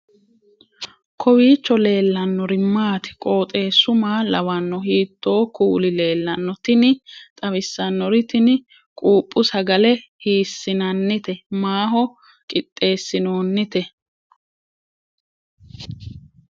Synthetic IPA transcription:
kʰɔwiːt͡ʃːɔle̞ːlːɐnːɔɾɪmːaːt̪ɪ̥kʼo̞ːt̪ʼe̞ːsːʊmaːlɐwɐnːɔhiːt̪ːo̞ːkuːlɪle̞ːlːɐnːɔt̪ɪnɪt̪ʼɐβɪsːɐnːɔɾɪt̪ɪnɪ | kʼuːpʼːʊsɐɡɐlɛhiːsːɪnɐnːɪt̪ɛmaːɦɔ | kʼɪt̪ʼːe̞ːsːɪno̞ːnːɪt̪ɛ

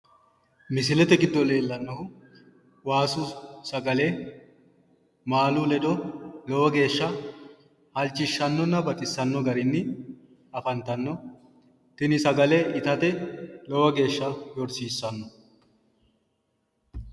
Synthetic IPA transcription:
mɪs̬ɪlɛt̪ɛɡɪd̪ːɔle̞ːlːɐnːɔhʊ | waːsʊsɐɡɐle | maːlulɛd̪ɔlɔwɐɡe̞ːʃːɐ | hɐlt͡ʃʼːɪʃːɐnːɔnːɐbɐt̪ʼɪsːɐnːɔɡɐɾɪnːɪ | ɐfɐnt̪ɐnːɔ | t̪ɪnɪsɐɡɐlɛʔɪt̪ɐt̪ɛlɔwɐɡe̞ːʃːɐjɔɾsiːsːɐnːɔ

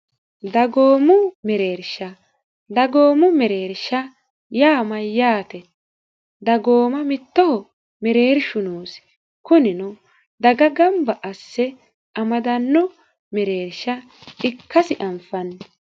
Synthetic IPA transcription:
d̪ɐɡoːmʊmɛɾeːɾʃɐ | d̪ɐɡoːmʊmɛɾe̞ːɾʃɐ | jaːmɐjjaːt̪ɛ | d̪ɐɡoːmɐmɪt̪ːɔhɔ | mɛɾeːɾʃʊnoːs | kʊnɪnʊ | d̪ɐɡɐɡɐmbɐʔɐsːɛ | ʔɐmɐd̪ɐnːɔ | mɛɾeːɾʃɐ | ɪkʰːɐsɪʔɐmfɐn

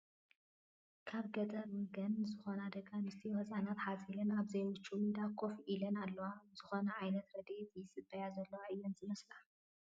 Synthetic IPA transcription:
kʰaβɡɐd̪ɐɾwɡɐnzɨxo̞nad̪ɐɡanɨst̪ʰiwɔt͡sʼaʕnat̪ħazilɐnaβzɐjwut͡ʃʼːumid̪akʰːo̞fʔilɐnalːɐwaz̥ɨxo̞nɐʕajnɐt̪ɾɐd̪et̪ɨjsɨbɐjazɐlːɐwaʔɨjɐnzɨmɐsla

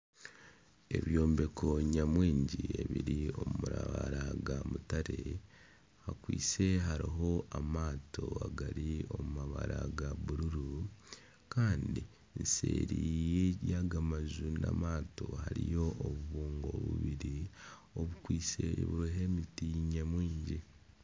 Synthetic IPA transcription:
e̞̰βjo̞ːmbe̞kʰo̞ɲamwiːɲɟie̞βiɾio̞mumuɾaβaɾaɡamutaɾe̞ | hakwḭːt͡se̞ɦaɾiɦo̞ʔamaːto̞aɡaɾiomumaβa̰ɾʔaɡaβuɾuɾu | kaːndi | nsḛːɾijejaɡamazuna̰maːtohaɾijo̞ʔːβuβuːŋɡo̞̰βṵβiɾioβukwiːseβuɾiɦe̞mitiːɲemwiːɲɟi

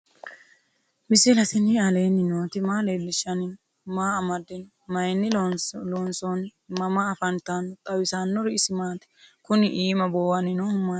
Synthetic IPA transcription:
mɪsɪlɐsɪnɪɐleːnɪnoːt̪ɪmaːleːlːɪʃːɐnɪn | maːɐmɐd̪ɪnɔ | mɐjnːɪlloːnsɔnmɐmɐːfɐnt̪anɔt̪ʼɐwɪsaːnːɔɾɪɪsɪmaːt̪ɛ̥kʊnɪʔiːmɐbowɐnɪnohʊmːa

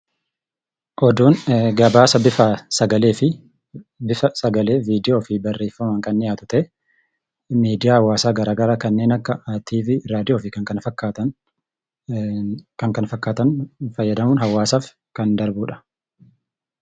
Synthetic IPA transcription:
ʔɔd̪uːnɡɐbaːsɐbɪfasɐɡɐleːfɪ | bɪfɐsɐɡɐle̞ːviːd̪ɪjoːfɪbɐrːeːfːɐmɐŋkʼɐnːɪjaːt̪ʊ̥t̪ɛ | miːd̪ɪjaːhɐwːaːsaːɡɐɾaːɡɐɾaːkɐnːe̞ːnɐkːɐaːt̪ʰiːfɪɾaːd̪ɪjoːfɪkɐŋkɐnfɐkːaːt̪ɐ | kɐŋkɐnfɐkːaːt̪ɐnfɐjːɐd̪ɐmʊnɦɐwːaːsaːf | kɐnd̪ɐɾbuːᶑɐ̥

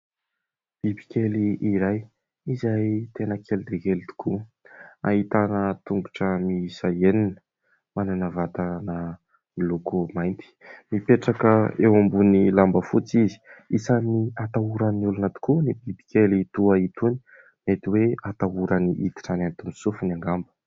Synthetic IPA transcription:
b̥ibi̥kʲeliːɾaj | izajt̪enəkʰelid̪ekelit̪u̥kʰu | a̰ɦit̪anət̪uŋɡuʈ͡ʂəmiisaeninə | mananavat̪anə | ilukumajnt̪i̥mipeʈ͡ʂakəewambunilambəfut͡sizi̥isaniat̪auɾənulunət̪u̥kunibibi̥kʲelit̪uait̪uni̥ | net̪iweat̪aɦuɾaniʔit̪i̥ʈ͡ʂanant̪umisufinaŋɡambə̥

